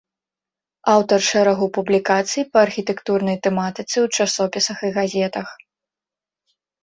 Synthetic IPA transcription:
awt̪ɐrʂɛɾɐɣupublʲikat̪sɨjipɐːrxʲit̪ɛkt̪urnɐjt̪ɛmat̪ɨt̪sɨwt͡ʂasɔpʲisɐxiɣazʲɛt̪ɐx

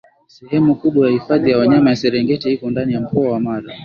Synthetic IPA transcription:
sɛhɛmukuɓwajahifaðijawaɲamajasɛɾɛŋɡɛtihikɔndanijam̩kɔawamaɾa

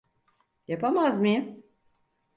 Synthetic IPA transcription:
japʰamazmij

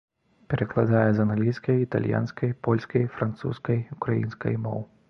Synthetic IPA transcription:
pʲɛɾɐklˠad̪ajɛzɐnalʲiskɐjit̪a̰lʲja̰nskɐjpɔlʲskɐjfɾant̪sṵskɐjukɾajḭnskɐ̰jmɔ̰w

